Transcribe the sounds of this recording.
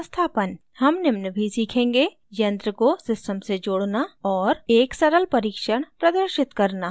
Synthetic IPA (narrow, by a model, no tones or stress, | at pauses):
st̪ʰaːpən | hɐmnɪmnəbʱisiːkʰẽːŋɡe | jɐ̃nd̪ɾəkosɪsʈəmsed͡ʒoːɽnaɔːɾeːksɐɾəlpɐɾiːkʃəɽ̃pɾɐd̪əɾʃɪt̪kɐɾna